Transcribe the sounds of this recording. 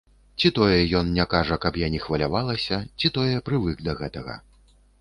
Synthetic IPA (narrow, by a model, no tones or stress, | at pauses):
t͡sʲit̪ɔjɛjɔnnʲakaʐɐkɐpjanʲixvɐlʲavalˠɐsʲɐt͡sʲit̪ɔjɛpɾɨvɨkd̪ɐɣɛt̪ɐɣɐ̰